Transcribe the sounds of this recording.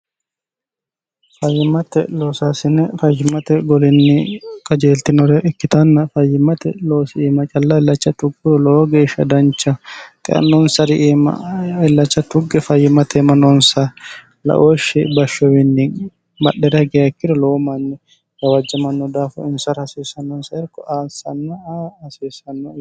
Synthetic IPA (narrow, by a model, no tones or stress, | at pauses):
fɐjːɪmɐt̪ɛloːsaːsɪnɛfɐjːɪmɐt̪ɛɡɔlɪnːɪkʼɐd͡ʒeːlt̪ɪnɔɾɛʔɪkːɪt̪ɐnːɐfɐjːɪmɐt̪ɛ̰loːsɪiːmɐt͡ʃʼɐlːɐɪlːɐt͡ʃːɐt̪ʊɡːɪɾɔloɡeːʃɐ̰d̪ɐnt͡ʃːɐt̪ʼɛ̰ʔɐ̰nːɔnsɐɾɪʔːmɐ̰ɪlːɐt͡ʃːɐt̪ʊɡːɛfɐjːɪmɐt̪ɛmɐnɔnsɐ | lɐ̰ʔoːʃɛbɐʃːɔwɪnːɪ | mɐɗːɛɾɐɡɛɐkːɪɾɔlɔwɔmɐnːɛ | kɐwɐd͡ʒːɐmɐnːɔd̪aːfɐ̰ɪnsɐɾhɐsiːsːɐnːɔnsɐɪɾkːɔʔaːsɐnːɐɐsiːsɐnːɔ